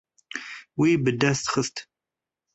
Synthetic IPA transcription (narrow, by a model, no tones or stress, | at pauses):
wiːbɨd̪ɐst̪χəst̪ʰ